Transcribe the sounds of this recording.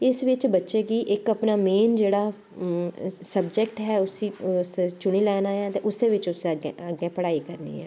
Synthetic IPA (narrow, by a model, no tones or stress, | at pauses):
ɪsʋɪt͡ʃbətːʃeːkiːʔɪkəpnaːmeːnd͡ʒeːɽaː | səbd͡ʒɛk̚ʈɦɛːʊsĩːst͡ʃʊɽ̃iːlɛːnaːɦɛːt̪eːʔʊseːʋɪt͡ʃʊsɡeəɡẽːpəɽaːikəɾnḭːɛ̰ː